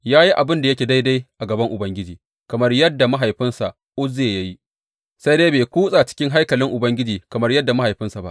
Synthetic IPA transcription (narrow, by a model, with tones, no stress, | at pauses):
jaː˦ji˦ʔa˨bɪ˦nda˨jɐ˦kʲeː˨da˦jda˦jʔa˨ɡɐ˨bɐ˦ŋʔʊ˨bɐ˦ŋɡʲɪ˦d͡ʒiː˨ | kɐ˨mɐ˦rjɐ˦dːa˨ma˦ɦa˨jɸɪ˦nsa˨ʔ | ʔʊ˦zeː˨jɐ˦ji˦ | sa˦jdeː˦jbeː˨kʷuː˦sʼaː˨t͡ʃɪ̥˦kʲɪ˦ŋɦa˦jkɐ˨lɪ˦ŋʔʊ˨bɐ˦ŋɡʲɪ˦d͡ʒiː˨kɐ˨mɐ˦rjɐ˦dːa˨ma˦ha˨jɸɪ˦nsa˨ba̰˦ʔ